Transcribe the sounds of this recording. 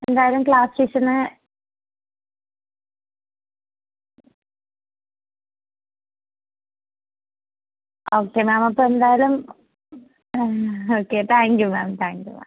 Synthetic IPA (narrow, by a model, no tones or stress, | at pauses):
e̞nd̪aːjalumkɭaːst͡ɕisɐnɨ | oːkːemaːmɐpːoːend̪aːjalum | oːkːet̪ʰaːŋkjumaːmt̪ʰaːŋkjṵma̰m